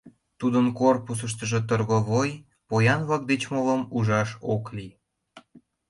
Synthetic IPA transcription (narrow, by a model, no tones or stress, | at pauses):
t̪ud̪ənkorpus̬əʃ̬t̪ə̆ʒet̪ərɣoβoj | pojɑnβlɑk̚d̪et͡ɕmoləmuʒɑʃokli